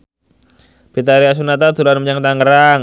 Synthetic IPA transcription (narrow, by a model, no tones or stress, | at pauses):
bit̪aɾias̬unat̪̬at̪uɾanməɲaŋt̪aŋəɾaŋ